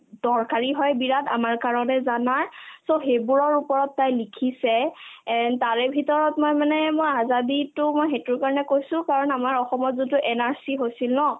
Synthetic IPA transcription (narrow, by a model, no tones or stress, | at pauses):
d̥ɔɹkaɹiɦɔjbiɹata̰maɹkaɹɔnɛzanaɹsoxejbuɹɔɹupɔɹɔtːajlikʰisɛ | taɹɛbʱitɔɹɔtmojmanɛmojazaditʊmojxetʊɹkaɹɔnɛkojsʊ̃kaɹɔnamaɹɔxɔmɔtzotʊʔɛnaɹsiɦojsilnɔ